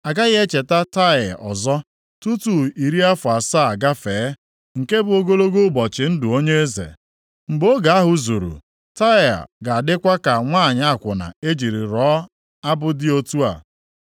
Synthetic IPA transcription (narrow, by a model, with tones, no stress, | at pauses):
a˨ɡa˦ɣɪ˦e˦t͡ʃe˨ta˦ta˦˨ɔ̰˨zɔ˦ | tu˦tu˨i˨ɾi˦a˦fʊ˨a˨sa˦a˨ɡa˦feː˨˦ | ŋ̩˨ke˦bʊ˦o˦ɡo˦lo˦ɡo˦bɔ˨t͡ʃɪ˨n̩˦dʊ˨o˦ɲe˦e˦zḛ˨ | m̩˨bo˦ɡa˨a˦ɦʊ˨zu˨ɾṵ˨ | ta˦ɪ˨a̰˨ɡa˨dɪ˦kʷa˦ka˨ŋʷaː˦˨ɲa˦˨kʷʊ˨na̰˨e˦d͡ʒi˨ɾi˨ɾɔ˨˦ | a˦bʊ˦dɪ˦o˦tu˦a̰˨